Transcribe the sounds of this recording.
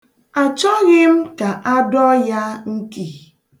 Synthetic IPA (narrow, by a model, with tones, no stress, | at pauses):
a˨t͡ʃɔ˦ɣɪ˦m̩˦ka˨ʔa˦dɔ˦ja˦ŋ̩˦ki˨